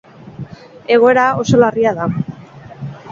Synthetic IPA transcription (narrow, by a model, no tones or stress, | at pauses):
e̞ɣ̞o̞e̞ɾao̞so̞lariaða